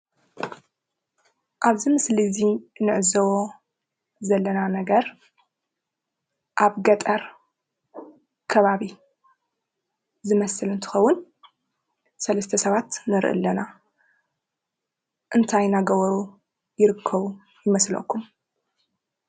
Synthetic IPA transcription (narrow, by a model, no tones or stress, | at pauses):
ʔaβzimɨslizinɨʕɨzɐwo | zɐlːɐnanɐɡɐɾ | ʔaβɡɐt̪ʼɐɾ | kʰɐβaβi | zɨmɐsɨlɨnt̪ʰɨ̥xɐwːʊn | sɐlɐst̪ʰɐsɐβat̪nɐɾʔɨ̰lːɐna | ʔɨnt̪ʰajnaɡɐβɐɾu | jɪɾɨkʰːɐβu | jɪmɐslɐ̰kʰːum